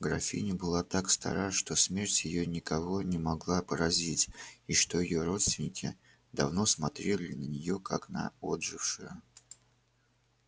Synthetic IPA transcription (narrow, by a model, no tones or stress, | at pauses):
ɡɾɐfʲḭnʲɪbɨlˠat̪akst̪ɐ̰ɾaʂt̪o̞smʲe̞rtʲjɪjonʲɪkɐvo̞nʲɪmɐɡlˠapəɾɐzʲitʲiʂt̪o̞jɪjoɾo̞t̪st̪vʲɪnʲɪkʲɪ̰ | d̪ɐvno̞smɐt̪ɾʲelʲɪnənʲɪjo̞kaknɐ̰od̪ʐɨfʂɨjə